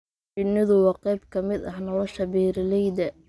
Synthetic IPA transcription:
t͡ʃɪnːɪðʊwɑːqɛjbkʰɐmɪd̪ɐhnɔlɔʃɐbiːɾɪlɛjd̪ɛ

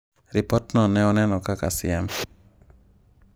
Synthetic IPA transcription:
ɾipɔtnɔnɛɔnɛnɔkakasɪɛm

